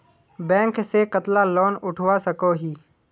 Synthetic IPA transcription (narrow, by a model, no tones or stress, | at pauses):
bɛ̃ːŋksekət̪lalɔːnʊʈʰwasəkoɦiː